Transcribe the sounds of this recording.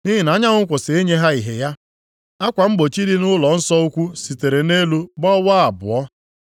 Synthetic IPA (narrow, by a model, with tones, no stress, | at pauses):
ni˦ɦi˨na˨˦ɲa˦ŋʊ˦ŋ̩˦kʷʊ˨sɪ˨e˦ɲe˦ɦa˦i˨ɦe˨ja˦ | a˦kʷa˨m̩˦ɡ͡bo˨t͡ʃi˦ɾi˦nʊ˦lɔ˨n̩˦sɔ˦u˦kʷu˦si˨te˨ɾe˨ne˦lu˦bɔ˦wa˦a˨bʊ̰˨ɔ˦